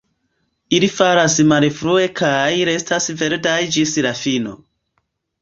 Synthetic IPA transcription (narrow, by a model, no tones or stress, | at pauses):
ilifaɾasmalfɾue̞kʰajɾe̞stasve̞ɾdajd͡ʒisɾafino̰